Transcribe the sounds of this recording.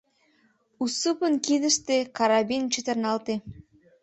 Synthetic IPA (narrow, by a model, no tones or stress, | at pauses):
usupənkid̪əʃt̪ekɑɾɑβint͡ɕət̪ərnɑlt̪e